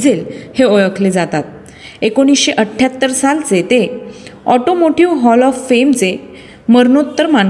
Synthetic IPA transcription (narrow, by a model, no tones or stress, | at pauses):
d͡zelheojəkʰled͡zat̪at̪̚ | ekoñisɕeʔəʈʰːjat̪ːəɾsalt͡set̪eɔʈomoʈiʋɦɔlɔfːemt͡se | məɾnot̪ːəɾman